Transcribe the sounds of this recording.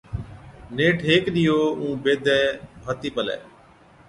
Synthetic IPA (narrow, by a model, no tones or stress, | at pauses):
neːʈʰɦeːkɗɪjoːũːbeːd̪ʱɛːbʱət̪iːpəlɛ̰ː